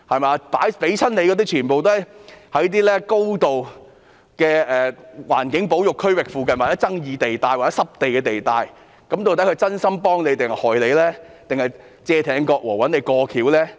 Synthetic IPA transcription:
hɐ˨jmaː˨˧paː˨˥jpe˨˥jt͡sʰɐ˥nle˨˧jkɔ˨˧t̪iː˥t͡ʃʰyː˨˩npo˨wt̪o˥hɐ˨jhɐ˨˥jt̪̬iː˥lɛː˥ko˥wt̪o˨w | kɛː˧ɛː˨wa̰ː˨˩nkɪ˨˥ŋpo˨˥wjʊ˨kʰːɵ˥ɥwɪ˨k̚fuː˨˧k̬ɐ˨nwaː˨˩ɛ˨˥t͡sɐ˥ŋjiː˨˧t̪e˨jt̪aː˨˧jwaː˨˩t͡sɛ˦˥sɐ˥p̚t̪e˨jkɛː˧t̪e˨jt̪aː˨˧j | kɐ˨˥mt̪o˧wt̪ɐ˨˥kʰɵ˧jt͡sɐ˥nsɐ˥mpɔː˥ŋne˨˧jt̪ɪ˨ŋhɐ˨˩hɔː˨˩jle˨˧lɛː˥ | t̪ɪ˨ŋhɐ˨j | t͡sɛː˧t̪ʰɛː˨˥ŋkɔː˧k̚wɔː˨˩wɐ˨˥nle˨˧jkɔː˧kʰiː˨˥wlɛː˥

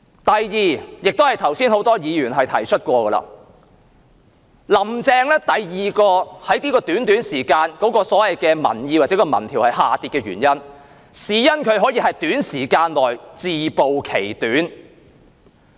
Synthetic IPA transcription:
t̪ɐ˨jːiː˨jɪ˨k̚t̪o˥hɐ˨jt̪ʰɐ˨˩wsiː˥nho˨˥wt̪ɔː˥jiː˨˧jyː˨˩nɦɐ˨jt̪ʰɐ̰˨˩jt͡ʃʰɵ˥t̚kʷɔː˧ɡə˧lɐ̰˧˨ | lɐ˨˩mt͡sɛː˧ŋlɛː˥t̪ɐ˨jjiː˨kɔː˧hɐ˨˥jniː˥kɔː˧t̪yː˨˥nt̪yː˨˥nsiː˨˩kaː˧nkɔː˨˥kɔː˧sɔː˨˥wɐ˨jkɛː˧mɐ̰˨˩njiː˧waː˨t͡sɛ˨˥kɔ˧mɐ̰˨˩nt̪ʰiː˨˩whɐ˨jhaː˨t̪iː˨˧t̚kɛː˧ɥyː˨˩njɐ˥n | siː˨˥jɐ˥nkʰɵ˨˧ɥɦɔː˨˥jiː˧ɦɐ˨jt̪yː˨˥nsiː˨˩kaː˧nlɔː˨jt͡siː˨po˨wkʰe˨˩jt̪yː˨˥n

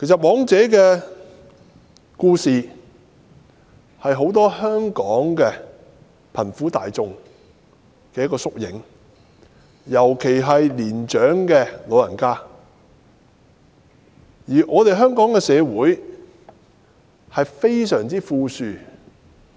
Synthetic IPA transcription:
kʰe˨˩jsɐ˨t̚mɔː˨˥ŋt͡sɛː˨˥k̬ɛː˧ | kuː˧siː˨ | hɐ˨jɦo˨˥wt̪̬ɔː˥hœː˥ŋkɔː˨˥ŋkɛ˧ | pʰɐ˨˩nfuː˨˥t̪a̰ː˨jt͡sʊ˧ŋ | kɛː˧jɐ˥kːɔː˧sʊ˥k̚jɪ̰˨˥ŋ | jɐ˨˩wkʰe˨˩jɦɐ˨jliː˨˩nt͡ʃœː˨˥ŋkɛː˧lo˨˧wjɐ˨˩nkaː˥ | jiː˨˩ʔɔː˨˧t̪e˨jɦœː˥ŋkɔː˨˥ŋkɛ˧sɛː˨˧wuː˨˥j | hɐ˨jfe˥jsœː˨˩ŋt͡siː˥fuː˧syː˨˧

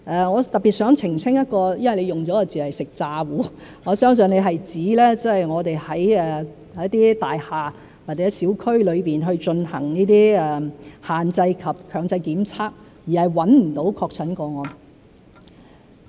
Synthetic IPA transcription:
ʔɛː˧ŋɔː˨˧t̪ɐ˨t̚pːiː˨t̚sœː˨˥ŋt͡sʰɪ˨˩ŋsʰɪ˥ŋjɐ˥t̚kɔː˧jɐ˥nwɐ˨jle˨˧jʊ˨ŋt͡sɔː˨˥ɔ˧t͡siː˨hɐ˨jsɪ˨k̚t͡saː˧wuː˨˥ŋɔː˨˧sœː˥ŋs̬ɵ˨ŋle˨˧jɦɐ˨jt͡siː˨˥lɛː˥t͡sɐ˥ɐ˨jŋɔː˨˧t̪e˨jhɐ˨˥jɛː˨˩˧ | t̪iː˥t̪aː˨jhaː˨˩ | waː˨t̚t͡sɛ˨˦˥siː˨˥wkʰɵ˥ɥlɵ˨˧ɥpiː˨˩nɦɵ˧ɥt͡ʃɵ˧nhɐ̰˨˩ŋniː˥t̪iː˥ɛː˧˩haː˨nt͡sɐ˧jkʰɐ˨p̚kʰœː˨˧ŋt͡sɐ˧jkiː˨˥mt͡sʰaː˥k̚ | jiː˨˩hɐ˨˩jwɐ˨˥nm̩˨˩t̪o˨˥wkʰɔː˧k̚t͡sʰɐ˨˥nkɔː˧ŋɔː˨˧

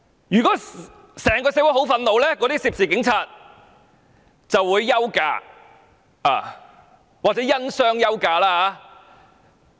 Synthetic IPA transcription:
jyː˨kɔː˨˥ | sɛː˨˩ŋkɔː˧seː˧˥wu˨˥jɦo˨˥wfɐ˧nlo˨˧wlɛː˥kɔː˨˥ɾiː˥siː˧p̚siː˨˩kɪ˨˥ŋt͡sʰaː˧t̚ | t͡sɐ˨wːuː˨˧jːɐ˥wka̰ː˧ | a̰ː˨˩ | waː˨k̚t͡sɛː˨˥jɐ˥nsœː˥ŋjɐ˥wkaː˧laː˥haː˨˧

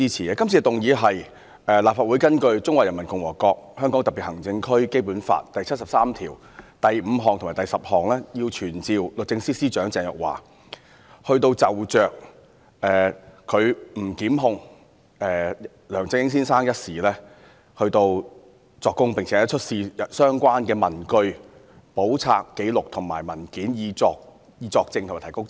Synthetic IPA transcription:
iː˥t͡sʰiː˨ɛ˧kɐ˥mt͡sʰi˨˧˨t̪ʊ˨ŋjiː˨˧ɦɐ˨j | ɛː˨˩laː˨p̚faː˧t̚wu˨˥jkɐ˥nkɵ˧ɥt͡sʊ˥ŋwaː˨jɐ˨˩nmɐ˨˩nkʊ˨˧ŋwɔː˨˩kɔː˧k̚hœː˥ŋkɔ˨˥t̪piː˨t̚hɐ˨˩ŋt͡sɪ˧ŋkʰɵ˥ɥke˥jpuː˨˥nfa̰ː˧t̚t̪ɐ˨jt͡sʰɐ˥t̚sɐ˨˩p̚saː˥mt̪ʰiː˨˩w | t̪ɐ˨jm̩ː˨˧ɦɔː˨ŋt̪ʰʊ˨˩maː˨˩t̪ɐ˨jsɐ˨p̚hɔː˨ŋlɛː˥jiː˧wt͡ʃʰyː˨˩nt͡siː˨˧wlʊ˨k̚t͡sɪ˧ŋsiː˥siː˥t͡ʃœː˨˥ŋt͡sɛː˧˩ŋjœ̰˨˩k̚wa̰ː˨˩ | hɵ˧ɥt̪o˧wt͡sɐ˨wt͡ʃœː˨k̚ | ɛː˨ɵ˨˧ɥm̩˨˩kiː˨˥mɦʊ˧ŋ | ɛː˨ | lœː˨˩ŋt͡sɪ˧ŋhɪ˥ŋsiː˥nsaː˥ŋjɐ˥t̚siː˨˩lɛː˥ | hɵ˧ɥt̪o˧w | t͡sɔː˧kːʊ˥ŋpŋt͡sʰɛ˨˥jɐ˥t͡ʃʰɵ˥t̚siː˧jɐ˨sœː˥ŋkʷaː˥nkɛː˧mɐ˨˩nkɵ˧ɥ | po˨˥wt͡sʰa̰ː˧kːe˨˥jlʊ˨k̚t̪ʰʊ˨˩ŋmaː˨˩jmɐ˨˩nkiː˨˥njiː˧t͡sɔː˧k̚ | jiː˧t͡sɔː˧k̚t͡sɪ˧ŋtʰaː˨˩t̪ʰkʊ˥k̚

